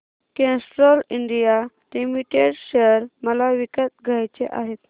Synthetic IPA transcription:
kẽsʈɾɔliɳɖija | limiʈeɖɕeəɾməlaʋikət̪ɡʱajt͡ɕḛʔa̰ɦet̪

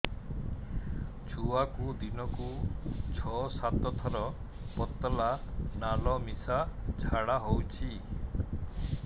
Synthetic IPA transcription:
t͡ʃʰuakud̪inɔkut͡ʃʰɔsat̪ɔt̪ʰɔɾɔ | pɔt̪ɔlanalɔmisat͡ʃʰaɽaɦowt͡ʃʰi

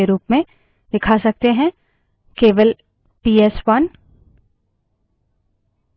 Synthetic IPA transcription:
eɾuːpmẽ | d̪ɪkʰasɐk̚t̪eɦɛ̃ | keːʋəl | piːɛswɐn

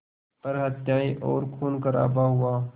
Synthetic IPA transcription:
pəɾɦət̪jaːiʔɔ̰ːɾkʰuːnkəɾa̰ːbaɦʊaː

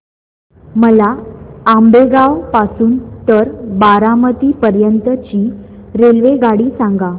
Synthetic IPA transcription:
məlaambeɡaʋpasuːnt̪əɾbaɾamət̪iːpəɾjənt̪ət͡ɕiː | ɾelʋeɡaɽiːsãŋɡa

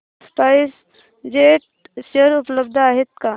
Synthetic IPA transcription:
spaɪs | d͡ʒeːʈ̚ | ʃəɾʊpləbd̪ʱaːɦɪt̪ka

